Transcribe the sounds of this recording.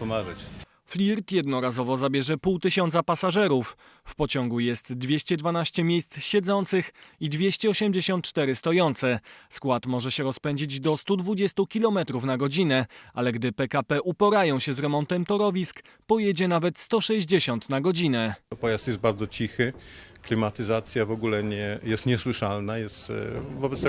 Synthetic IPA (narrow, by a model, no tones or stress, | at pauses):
pɔmaʐɛt͡ɕ | flʲiɾt̪jɛd̪nɔɾazɔvɔzabʲjɛʐɛpuwt̪ɘɕɔnt̪sapasaʐɛɾuf | fpɔt͡ɕɔŋɡujɛst̪d̪vʲjeɕt͡ɕɛd̪vanaɕt͡ɕɛmʲjejst̪sɕɛd̪zɔnt̪sɘxid̪vʲjeɕt͡ɕɛɔɕɛmd͡ʑeɕɔnt̪̚t͡ʂt̪ɛɾɘst̪ɔjɔnt̪sɛskwat̪mɔʐɛɕɛɾɔspɛɲd͡ʑid͡ʑd̪ɔst̪ud̪vud͡ʑɛst̪ukʲilɔmɛt̪ɾufnaɡɔd͡ʑinɛʔalɛɡd̪ɘpɛkapɛʔupɔɾajɔ̃w̃ɕɛzɾɛmɔnt̪ɛmt̪ɔɾɔvʲisk | pɔjɛd͡ʑɛnavɛt̪st̪ɔʂɛʑd͡ʑeɕɔnt̪naɡɔd͡ʑinɛpɔjast̪jɛst̪baɾd̪zɔt͡ɕixɘklʲimat̪ɘzat̪sʲjavɔɡulɛɲɛjɛst̪ɲɛswɘʂalnajɛst̪vɔbɛt̪t̪ɛ